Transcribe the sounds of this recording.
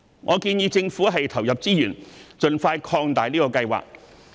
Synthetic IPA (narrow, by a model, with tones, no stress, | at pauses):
ŋʔɔ̰ː˨˧kiː˧njiː˧t͡sɪ˧ŋfuː˨˥ɦɐ˨jt̪ʰɐ˨˩wjɐ˨p̚t͡siː˥jyː˨˩nt͡sɵ˨nfaː˧jkʰɔː˧ŋt̪aː˨jliː˥kɔː˧kɐ˧jwa̰ː˨k̚